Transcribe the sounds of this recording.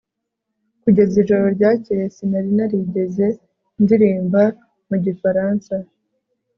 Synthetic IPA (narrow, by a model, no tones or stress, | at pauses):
kuɟe̞ziʒo̞ɾo̞ɾɟaːceesinaɾinaɾiɟe̞ze̞ | ndiɾiːmba | muɟifaɾaːnsa